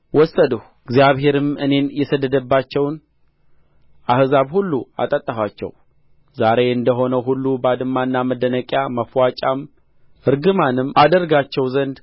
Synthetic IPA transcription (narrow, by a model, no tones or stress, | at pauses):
wɔsːəd̪əh | ɡzijaβɦe̞ɾɨmɨne̞njɛsəd̪ːəd̪əbːat͡ʃːɛwn | ʔahzaβhulːua̰t̪ʼət̪ʼːəfat͡ʃːɛ̰w | zaɾe̞ɨnd̪əɦo̞nəwɦulːubad̪ɨmːanːaməd̪ənəkʼjaməfwat͡ʃʼam | ɨɾɡɨmanɨmad̪əɾɡat͡ʃːɛwzənd̪